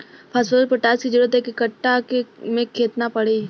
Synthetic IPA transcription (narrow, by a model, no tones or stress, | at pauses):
pʰaːsbəlɾpəʈaːskid͡ʒʊɽət̪ɦɛkekɐʈːakemẽkʰeːt̪napɐɽe